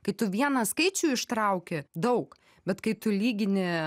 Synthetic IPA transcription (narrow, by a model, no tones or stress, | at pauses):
kɐɪt̪ʊʋʲiɛnɐskɐɪt͡ʃʲuːɪʃt̪ɾɐʊkʲɪd̪ɐʊk | bʲɛt̪kɐɪt̪ʊlʲiːɡʲɪnʲɪ